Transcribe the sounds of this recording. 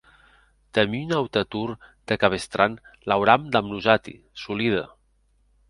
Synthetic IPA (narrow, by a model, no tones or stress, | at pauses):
t̪eminawt̪at̪uɾd̪̥ekaβest̪ɾʔanlawɾamd̪amnuzat̪ḭ | suliðə̰